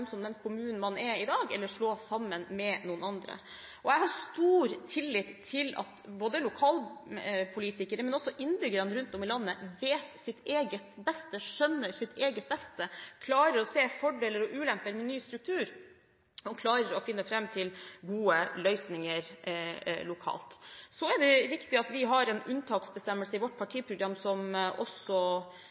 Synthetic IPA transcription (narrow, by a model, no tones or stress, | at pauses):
msɔmd̪ɛnkʰʊmʉːnn̩mɑnɛɾɪd̪ɑːɡɛlːəʂɭoːsɑmːənmɛnuːənɑnd̪ɾə̰ | ʔɔɛɡhɑɾst̪uːɾt̪ʰɪlːɪt̪ʰːɪlɑ̰t̪boːd̪əlʊkʰɑːlpʰʊliːt̪ɪkəɾəmɛnɔsːɔʔɪnːbʏɡəɾənɾʉnt̪ɔmɪlɑnːəʋeːt̪sɪt̪eːɡət̪bɛst̪əʂœnːəɾsɪt̪ʰeːɡət̪̚bɛst̪əkʰlɑːɾəɾɔseːfɔɖeːləɾɔʔʉːlɛmpəɾmɛnyːst̪ɾʉk̚t̪ʰʉːɾ | ɔmkʰlɑːɾəɾɔfɪnːəfɾɛmːt̪ʰɪlɡuːəlœʏsnɪŋəɾ | lʊkʰɑ̰ːlt̪sɔɛɖɛɾɪkt̪ɪɑt̪ʋɪɦɑɾɛnʉnt̪ʰɑːksbəst̪ɛmːəlsəɪʋɔʈːpʰɑʈʰiːpʰɾʊɡɾɑmːsɔmʔɔ̰sɔ